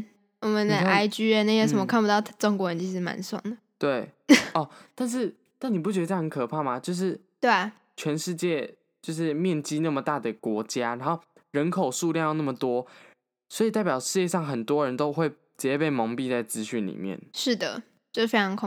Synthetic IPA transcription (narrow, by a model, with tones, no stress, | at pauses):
wɔ˨˩mə˦nd̪ə˧ʔa˥ɪt͡ɕy˥ɻə˧˥nə˧jo˧˥ʂə˨˦mə˧kʰpu˧˥t̪ɑ˥˩ʊ˥˩ʈ͡ʂɔ˥ŋkwɔ˧˥ɻə˧˥nt͡ɕʰi˧˥ʂɻ̩˧˩ma̰˧˦nswɑ̰˥˩ŋd̪ə˩t̪we˥˩ɪɔ˥˧t̪a˥˧nʂ̬ɻ̩˥˩ | na˥˩ni˨˩p̬u˥˩t͡ɕɥɛ˧d̪ə˧˩˥ə˧˦nkʰɤ˨˩pʰa˥˩ma˨˩t͡ɕjo˥˧ʊʂ̬ɻ̩˥˩ | t̪we˥˩ɪ | t͡ɕʰɥɛ˧˥nʂɻ̩˥˧t͡ɕjɛ˥˧ | t͡ɕjo˥˧ʊʂ̬ɻ̩˥˧mjɛ˥˨nt͡ɕi˥na˥˩mə˩t̪a˥˩d̪ə˩kwɔ˧˦˥t͡ɕja˦ɻa˧˥nxo˥˩ʊ | ɻə˧˥nkʰo˨˩ʊʂu˥˧ljŋjna˥˩mə˩t̪wɔ˦ | swɔ˧˥i˨˩t̪a˥˩ɪp̬ʲjɑ˨˩ʊʂɻ̩˥˧t͡ɕjɛ˥˧ʂɑ˥˩ŋxə˨˩nt̪wɔ˦ɻə˧˦nt̪o˥ʊxwe˥˩ɪ | t͡ɕɛ˨˥ɛ˥˧pe˥˩ɪmɑ˧˥ŋpi˥˧t͡sa˥˩ɪt͡sɹ̩˥ɕy˥˩nlḭ˨˩mjɛ̰˥˩nʂɻ̩˥˩d̪ə̰˩ | t͡ɕjo˥˧ʊ˥fe˥ɪɑ˧˥ŋkʰ